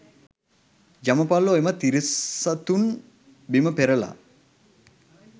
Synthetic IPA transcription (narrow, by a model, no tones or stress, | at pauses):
d͡ʒaməpalːoemət̪iɾisat̪un | biməpeɾəla̰